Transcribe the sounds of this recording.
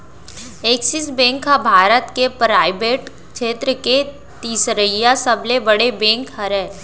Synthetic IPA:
eːksɪsbɛ̃ːŋkɦabʱaːɾət̪kepɾaːɪbeːʈ | kʃeːt̪ɾəke | t̪iːsɾəijasɐblebɐɽebɛ̃ːŋkhɐɾɛ̃ː

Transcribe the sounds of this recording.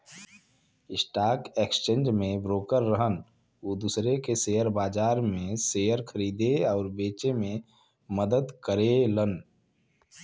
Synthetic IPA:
ɪsʈaːkekst͡ʃẽːnd͡ʒmẽbɾoːkəɾːəɦən | oːd̪uːsɾekeseːjəɾbaːd͡ʒaːɾmẽseːjəɾkʰəɾiːd̪eɔːɾbeːt͡ʃemẽ | məd̪əd̪kəɾelən

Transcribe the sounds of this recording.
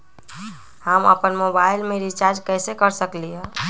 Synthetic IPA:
həmə̰pənmobailmeɾit͡ʃaɾd͡ʒkəsekəɾsəklijɛ

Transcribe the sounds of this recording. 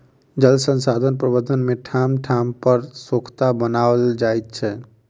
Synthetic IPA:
d͡ʒəlsə̃nsad̪ʱənpɾəbəd̪ʱənmeʈʰamʈʰampəɾsokʰt̪abənald͡ʒajt̪̚t͡ʃʰɛ

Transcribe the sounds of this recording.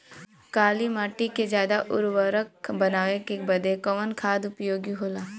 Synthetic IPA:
kaːlimaːʈiked͡ʒjaːd̪aʔʊ̰ɾʋəɾəkbɐnaːʋekebɐd̪ekəʋənkʰaːd̪ʊpjoːɡiɦoːlaː

